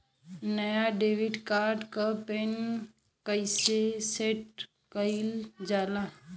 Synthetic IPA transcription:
nəjaɖeːʋɪɖkaːɾɖkapen | kəɪseseʈ̚ | kəɪld͡ʒaːla

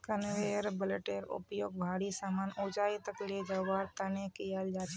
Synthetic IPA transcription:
kənʋeɾbəleʈeɾʊ̰pjoːɡ̚bʱaːɽisaːmanod͡ʒait̪əklid͡ʒəʋaɾt̪ənekijald͡ʒat͡ʃʰe

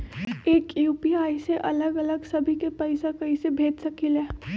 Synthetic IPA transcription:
eːkjuːpiaːiseʔɐləɡɐləɡsɐbʱikepɛɪsekɐisebʱeːd͡ʒsɐkileː

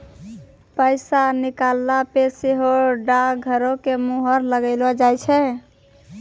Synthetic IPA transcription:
pəɪsanikalːapeseɦoɖaɡʱəɾokemuɦəɾləɡəlɔd͡ʒajt͡ʃʰɛ

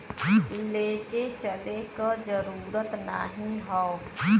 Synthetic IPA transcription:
leːket͡ʃəlekad͡ʒəɾuːɾət̪na̰ɦĩɦɔː

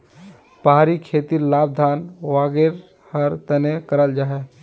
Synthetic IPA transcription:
pəɦaɾikʰet̪iɾlaːb̚d̪ʱaːnʋaːɡeɾ | həɾt̪ənekəɾəld͡ʒaːɦe

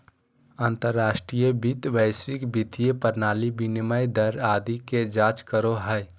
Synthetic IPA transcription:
ant̪əɾːaːʃʈɾijəbit̪ʋəɪswɪkbit̪ijepəɾnaːlibinməjd̪əɾaːd̪iked͡ʒaːt͡ʃkəɾoɦəe

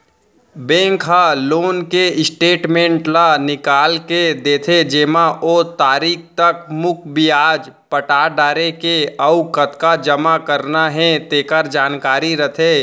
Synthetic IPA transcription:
bẽːŋkɦaloːnkeɪsʈeːʈmẽːɳʈlanɪkaːlked̪eːt̪ʰed͡ʒeːmaʔoːt̪aːɾiːk̚ʰt̪ɐkmʊk̚ʰbʱiaːd͡ʒ | pəʈaːɖaːɾekeɐukət̪kad͡ʒəmakəɾnaɦɛ̃t̪eːkəɾd͡ʒaːnkaːɾiɾɐt̪ʰeː

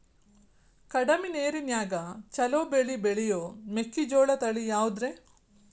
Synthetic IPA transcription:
kɐɽɐmineːɾinjaːɡɐt͡ʃɐloːbeɭibeɭijoːmekːid͡ʒoːɭɐt̪ɐɭijaːʋud̪ɾe

